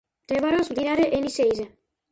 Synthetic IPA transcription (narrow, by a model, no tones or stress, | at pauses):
t̪eβaɾosd̪inaɾeʔenisejza